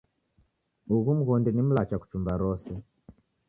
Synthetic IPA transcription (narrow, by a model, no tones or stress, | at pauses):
uɣum̩ɣɔndɛnim̩lat͡ʃaku̥t͡ʃumbaɾɔsɛ